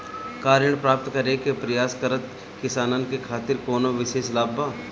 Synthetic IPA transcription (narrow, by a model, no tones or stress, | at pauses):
kaːɾjəɳ̃pɾaːp̚t̪kɐɾekepɾɐjaːskəɾət̪ | kɪsaːnankekʰaːt̪ɪɾkoːnoʋɪʃeːʃlaːbaː